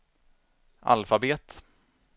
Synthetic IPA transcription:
ʔa̰lfabeːt̪

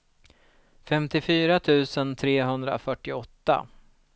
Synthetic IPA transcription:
fɛmt̪ɪfyːɾat̪ʰʉ̟ːsənt̪ʰɾeːɦɵnd̪ɾa̰fœʈːɪɔt̪ːa̰

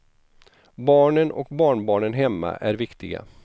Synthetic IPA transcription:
bɑːɳənɔ̰kbɑːɳbɑːɳənɦɛmːa̰ʔæɾvɪkt̪ɪɡa̰

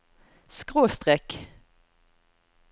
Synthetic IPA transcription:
skʁoːst̪ʁɛk

